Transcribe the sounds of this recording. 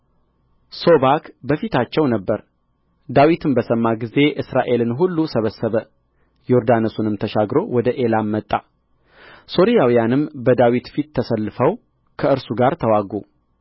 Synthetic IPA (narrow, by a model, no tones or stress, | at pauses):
so̞βakbəfit̪ʰat͡ʃːɛwnəbːəɾ | d̪awit̪ʰɨmbəsəmːaɡize̞ʔɨsɾaʔe̞lɨnɦulːusəβəsːəβə | joɾd̪anɨsunɨmt̪ʰəʃaɡɾo̞wɔd̪əʔe̞lamːət̪ʼːa | so̞ɾijawijanɨmbəd̪awit̪fit̪ʰːəsəlːɨfəw | kʰəɨɾsuɡaɾt̪ʰəwaɡu